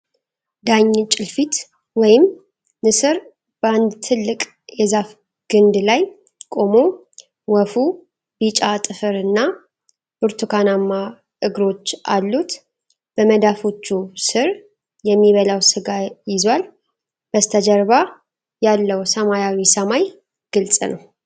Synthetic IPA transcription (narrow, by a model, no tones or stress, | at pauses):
d̪aɲːt͡ʃʼɪlfit̪ | wɔjɪm | nɨsɨɾ | b̥əand̪t̪ʰɨlːɨkʼ | jɛzaf | ɡ̥ɨnd̪laj | kʼo̞mo | wɔfu | bit͡ʃʼat̪ʼɨfɨɾɨnːa | b̥ɨɾt̪ʰukʰanamːa | ʔɨɡɾo̞t͡ʃːʔalːut̪ | b̥əməd̪afo̞t͡ʃːusɨɾ | jɛmːiβəlawsɨɡajɪzwal | b̥əst̪ʰəd͡ʒəɾβa | jalːəwsəmajawisəmaj | ɡ̥ɨlsʼnəw